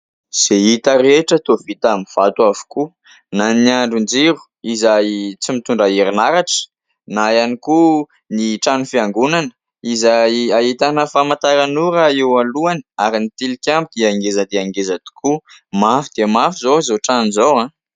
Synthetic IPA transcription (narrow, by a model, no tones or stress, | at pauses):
z̥eit̪əɾeʈ͡ʂət̪ovit̪amiv̥at̪wavu̥ku | naniaɳɖ͡ʐund͡zeɾu̥ | izajt͡simit̪uɳɖ͡ʐaiɾinaɾaʈ͡ʂə̥ | najaniku | niʈ͡ʂanufiaŋɡunanə̥ | izajait̪anəfamant̪aɾanuɾaewaluani̥aɾinit̪ilikʲambid̪̥iaŋɡezad̪eaŋɡezad̪̥i̥kumafid̪̥iamafizozoʈ͡ʂanizowã